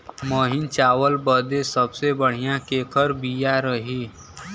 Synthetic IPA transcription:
məːɦɪnt͡ʃaːwəlbəd̪esəbsebəɽ̤ijãkeːkʰəɾbijaɾəɦiː

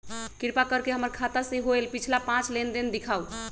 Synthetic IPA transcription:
kiɾpakəɾkeɦəməɾkʰat̪asẽɦoelpit͡ʃʰlapãt͡ʃlend̪ind̪ikʰau

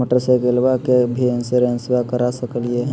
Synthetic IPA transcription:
əʈəɾsekelʋakebʱinseɾẽnsbakəɾasəkəlieɦ

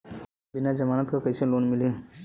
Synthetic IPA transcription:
bɪnad͡ʒɐmaːnət̪kakəjsẽloːnmɪleː

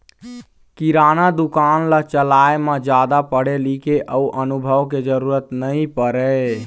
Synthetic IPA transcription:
kiɾanad̪ukanlat͡ʃəlaemad͡ʒad̪apəɽ̤elikeʔʔəuʔənubʱəʋked͡ʒəɾuɾət̪nəĩpəɾɛ

